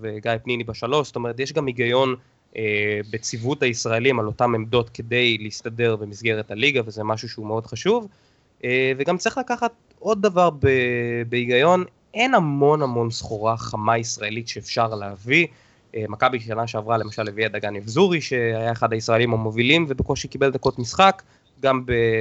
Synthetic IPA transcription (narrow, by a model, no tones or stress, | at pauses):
veɡajpnimibaʃalo̞ʃst̪o̞me̞ʁ̞et̪̬jeʃɡamiɡajo̞n | ebet͡sivuthaisʁae̞limalo̞tame̞mdo̞tke̞de̞jleistade̞ʁbemisɡe̞ʁethaliɡavezemaʃuʃeumeo̞dχaʃuv | eveɡamt͡sʁiχlakaχat̪̚ | o̞d̪̚ːavaʁbebeiɡajo̞n | ʔe̞namo̞nhamo̞nsχoʁaχamaisʁae̞litʃeːfʃaʁleavi | emakabiʃanaʃeavʁale̞maʃalːeviad̪aɡanivzuʁiʃe̞ajaeχadhaisʁaelimamovilimvebekoʃeikibe̞ld̪ako̞tmisχak | ɡambe